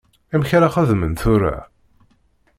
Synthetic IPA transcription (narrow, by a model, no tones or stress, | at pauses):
æmçɾaχæðmənθʊɾa̰